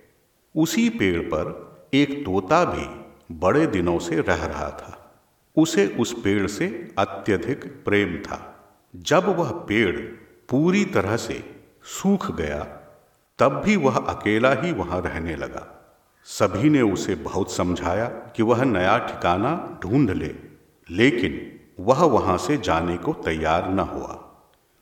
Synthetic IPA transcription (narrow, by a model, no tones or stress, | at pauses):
ʊsipeːɽpɐ̰ɾeːkt̪oːt̪abʱḭ | bɐɽed̪ɪnõseɾɛɦɾɐ̰ɦa̰t̪ʰaː | ʊseʔʊspeːɽseɐt̪jəd̪ʱɪkpɾeːmt̪ʰa̰ː | d͡ʒɐbʋɐɦpeːɽ | puːɾit̪ɐɾəɦsḛ | suːkʰɡɐja̰ | t̪ɐbːiʋɐɦɐ̰keːlaɦiʋɐɦãɾɛɦnelɐ̰ɡa̰ː | sɐbʱineʊsebɐɦʊt̪sɐ̃md͡ʒʱaːjakiʋɐɦnɐjaʈʰɪ̥kaːnaɖʱũːɳɖʱlḛː | leːkɪn | ʋɐɦʋɐɦãsed͡ʒaːnekot̪ɐjːaːɾnɐɦṵa̰ː